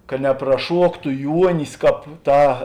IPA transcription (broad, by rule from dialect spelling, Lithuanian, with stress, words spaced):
kɐ nʲɛprɐˈʃuɔktʊ ˈjuɔnʲɪs ˈkɑːp ˈtɑː